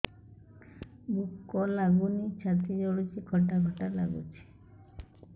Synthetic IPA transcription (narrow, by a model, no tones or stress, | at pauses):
bukːɔlaɡunit͡ɕʰat̪id͡ʒɔɽut͡ʃʰikʰɔʈaɡʱɔʈaɾla̰ɡṵt͡ʃʰi̥